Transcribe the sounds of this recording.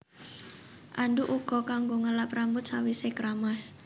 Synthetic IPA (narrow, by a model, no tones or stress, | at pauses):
ʔaɳɖuʔuɡ̥ɔ̤kaŋɡoŋəlapɾambʊt̪̚sawisekɾamas